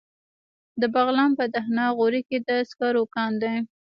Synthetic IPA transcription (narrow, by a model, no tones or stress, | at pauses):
d̪əbaɣlɑnpəd̪ahnɑɣoɾiked̪əskɑɾokɑnd̪aj